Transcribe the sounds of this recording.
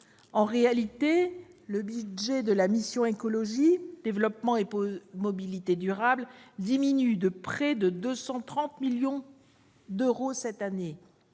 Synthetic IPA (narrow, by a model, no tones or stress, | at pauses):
ɑ̃ʁealit̪eləbyʒɛd̪əlamisjɔ̃ekɔlɔʒid̪̥evlɔpmɑ̃emɔbilit̪ed̪yʁabld̪iminyd̪əpχɛd̪əd̪øsɑ̃t̪χɑ̃t̪miljɔ̃ | d̪øʁosɛt̪ane